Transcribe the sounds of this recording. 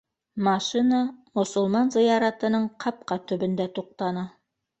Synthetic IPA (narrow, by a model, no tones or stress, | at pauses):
mɑʃinamŏsŏlˠmɑnzɤ̆jɑɾɑt̪ɤ̆nɤɴqʰɑp̚qɑt̪ɵ̆bɵ̆nd̪æt̪uq̚t̪ɑnɑ